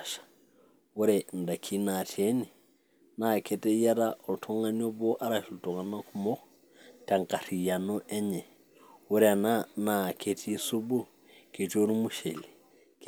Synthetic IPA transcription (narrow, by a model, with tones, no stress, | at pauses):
ʃḁ˨ | wu˦ɾɛ˨nda˨kʰi˦na˨tʰe˦ni˨ | na˨ke˨tɛ˦ja˦ɾa˦ʔɔ˨tʰo˦ŋa˦ɲo˦bo˦ʔa˦ɾa˨ʃu˨to˨ŋa˨na˦ku˦mɔ˦ | ta˨ŋka˨ɾi˨ja˨no˦ʔɛ˦ɲɛ˨ | wu˦ɾɛ˨nana˨kʰe˦tʰi˦su˦bu˦ | ke˨t͡ʃo˦ɾu˦mu˦ʃḛ˨li˨ | k